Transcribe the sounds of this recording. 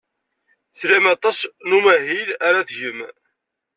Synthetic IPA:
θɾæmɑt̪ˤɑsnumæhilæɾæθʝəm

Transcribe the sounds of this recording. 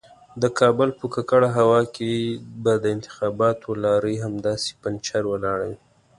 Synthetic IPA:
d̪əkʰɑbəlpəkakaɽaɦawɑkebad̪əɪnt̪ɪ̥xɑbɑt̪ʰolɑɾəɦamd̪ɑse̥pant͡ʃaɾwəlɑɽawi

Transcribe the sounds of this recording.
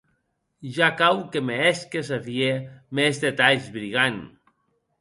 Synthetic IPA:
ʒakawkemeɛskes̬afiemezdet̪aʎzβɾiɣan

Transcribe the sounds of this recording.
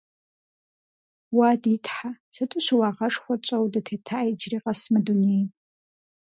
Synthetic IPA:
waditʰħasɐtʰʼʊɕwaːʁɐʂxʷɔt͡ʃʷʼɐwdɐtʰeːtʰajd͡ʒriːqɐsmɨdunej

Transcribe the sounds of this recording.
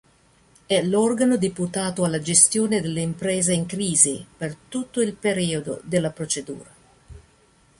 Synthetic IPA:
ɛlɔrɡanod̪iput̪aːt̪oalːad͡ʒest̪joːned̪elːeimpɾɛːzeiŋkɾiːzipert̪ut̪ːoilpeɾiːod̪o̰d̪elːapɾot͡ʃed̪ṵːɾa

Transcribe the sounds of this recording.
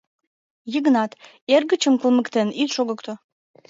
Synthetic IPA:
jəɣnɑt̪ | erɣət͡ɕəmkəlˠməkt̪enit̪ʃoɣəkt̪o

